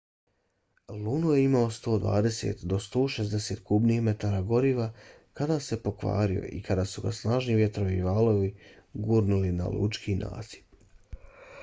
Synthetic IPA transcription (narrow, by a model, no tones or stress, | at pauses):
luːnuje̞imaost̪o̞ːd̪ʋa̰ːd̪e̞sḛt̪d̪o̞st̪o̞ːʃezd̪ese̞ːt̪kubnixme̞t̪aːɾaɡo̞ɾiːʋa | kad̪aːse̞po̞kʋa̰ːɾio̰ʔḭkad̪aːsuɡa̰snaːʒniʋje̞t̪ɾo̞ʋiʋaːlo̞ʋiɡuːɾnulina̰lṵt͡ʃkʰinʔa̰ːsi̥p̚